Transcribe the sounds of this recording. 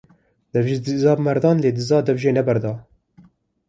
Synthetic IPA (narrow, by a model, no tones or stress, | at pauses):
d̪̥ɛvʒzɑːbmɛɾd̪ɑːnleːd̪ɨzɑːd̪ɛvʒeːnɛbɛɾd̪ɑː